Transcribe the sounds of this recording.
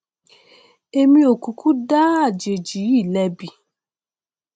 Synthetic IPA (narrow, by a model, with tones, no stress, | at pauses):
e˧mĩ˦o˨ku˨kʰu˦da˦a˦˨d͡ʒe˨d͡ʒi˨˦i˦˨lɛ˧bi˨